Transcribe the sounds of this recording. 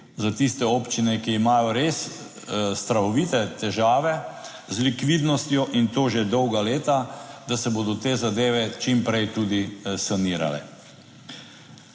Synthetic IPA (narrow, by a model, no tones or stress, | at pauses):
zat̪ist̪ɛɔːpt͡ʃinɛkiːmaːjɔɾeːs | st̪ɾaɔʋit̪ɛt̪ɛʒaːʋɛ | zlikʋid̪nɔst̪jɔʔint̪oːʒɛd̪ɔwɡaleːt̪ad̪asɛbod̪ɔt̪eːzad̪eːʋɛt͡ʃimpɾɛjt̪uːd̪isaniːɾa̰lɛ̰